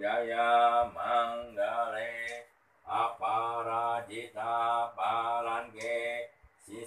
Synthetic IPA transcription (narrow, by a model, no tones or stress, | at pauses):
ajamaŋɡaɾe | apaɾad͡ʒit̪abaɾaŋkesi